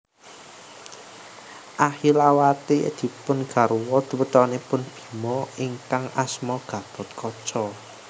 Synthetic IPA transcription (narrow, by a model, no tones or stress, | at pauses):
ʔahilawat̪ed̪̥i̤pʊnɡ̥a̤ɾuwɔd̪̥ṳwət̪ɔnepʊnb̥i̤mɔiŋkaŋasmɔɡ̥a̤b̥ɔ̤t̪̚kʰɔt͡ʃɔ